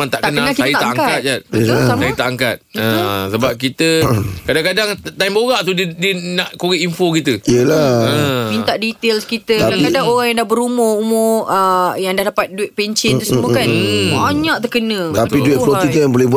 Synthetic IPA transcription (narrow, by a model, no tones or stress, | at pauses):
ant̪aʔkt̪kənãakiajəat̪aʔakat̪̚d͡ʒat̪əlaasajət̪aʔaŋkat̪̚əsəbap̚kit̪əkadaŋkadaŋt̪ajmboɣaʔt̪udədiənaʔkoɾɛʔinfokit̪əiəlaəmint̪aʔdit̪elskit̪əaaŋikadaŋoɣaŋjãŋdahbəɾumʊumʊəjaŋdahdapat̪̚duɪt̪̚peɲt͡ʃɪusəmukabaɲãʔ̚t̪əkənə̃bət̪ap̪idɪt̚lot̪it̪əbolɛhbu